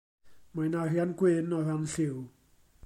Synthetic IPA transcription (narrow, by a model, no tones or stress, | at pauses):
majnarjanɡwɪnɔranɬɪw